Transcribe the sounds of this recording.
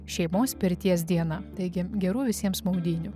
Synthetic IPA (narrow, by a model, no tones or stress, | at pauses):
ʃʲɛɪmoːspʲɪɾʲt̪ʲiɛs̬d̪ʲiɛnɐt̪ɐɪɡʲɪɡʲɛɾuːʋʲɪsʲiɛmsmɐʊd̪ʲiːnʲʊ